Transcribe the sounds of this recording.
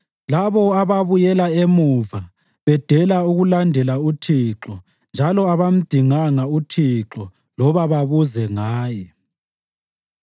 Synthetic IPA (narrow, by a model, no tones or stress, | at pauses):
laβɔaβaβujɛlaemuva | βɛd̥ʱɛlauɣulandʱɛlautʰiǁɔ | nd͡ʒʱalɔaβam̩d̥ʱiŋaŋautʰiǁɔ | lɔβaβaβuzɛŋaːjɛ